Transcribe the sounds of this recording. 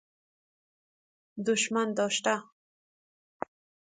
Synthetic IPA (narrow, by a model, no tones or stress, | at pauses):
d̪ʊʃmand̪owʃt̪a